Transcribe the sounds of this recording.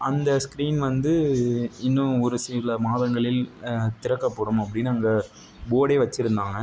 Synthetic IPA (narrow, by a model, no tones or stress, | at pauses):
ɐnd̪ɐskɾiːnʋɐnd̪ɯɪnːʊ̃ɔɾɯsiɭɐmaːðɐŋɡɐɭɪlt̪ɪɾɐkːɐpːoːɽɯmɐpːɐɽɪnːɐŋɡɐ | boːɽeɪʋɐt͡ʃːɪɾɯnd̪aːŋɡɐ